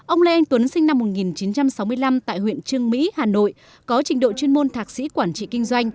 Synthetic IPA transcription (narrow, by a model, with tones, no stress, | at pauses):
ʔə˧wŋ͡mlə˧ʔɛ˧jŋ̟t̪wə˨˦nsï˧ŋ̟na˧mːo˨˩t̚ŋi˨˩nt͡ɕi˨˦nt͡ɕa˧msa˨˦wmɨ˧əjla˧mt̪a̰ː˧˨jhwḭ˧˨ənt͡ɕɨ˧əŋmḭ˧˥haː˨˩no̰˧˨j | kɔ˨˦t͡ɕï˨˩ŋ̟ɗo̰˧˨t͡ɕwi˧nmo˧nt̪ʰaː˨˩k̚sḭ˧˥kwaː˧˩nt͡ɕḭ˧˨kï˧ŋ̟zwa˧jŋ̟